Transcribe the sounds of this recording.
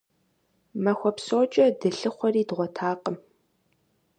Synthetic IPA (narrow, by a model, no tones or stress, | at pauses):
mɐxʷɔpsoːt͡ʃʼɐdɨɬɨχʷɔriːdʁʷɔtʰaːqəm